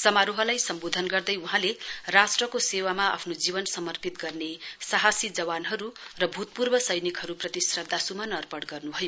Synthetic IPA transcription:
sʌmaɾoɦʌlajsʌmbod̪ʱʌnɡʌrd̪ʌjuɦãlerasʈrʌkosewamaa̰pʰnod͡zibʌnsʌmʌrpit̪̚ɡʌrnesaɦasid͡zʌwanɦʌɾurʌbʱut̪̚purbʌsʌjnikɦʌɾuprʌt̪isrʌd̪ʱːasumanʌrpʌɽɡʌrnubʱʌjo

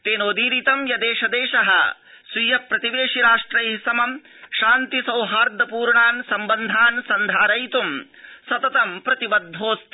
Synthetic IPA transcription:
t̪eːnoːd̪iːɾit̪ɐmjɐd̪eːʃɐd̪eːʃɐɦɐ̰ | sʋijɐpɾɐt̪iʋeːʂiɾaːʂʈɾɐjɦisɐmɐm | ʃaːnt̪isɐwɦaːɾd̪ʱɐpuːɾɳaːnsɐmbɐnd̪ʱaːnsɐnd̪ʱaːɾɐjt̪um | sɐt̪ɐt̪ɐmpɾɐt̪ibɐd̪ʱːoːst̪

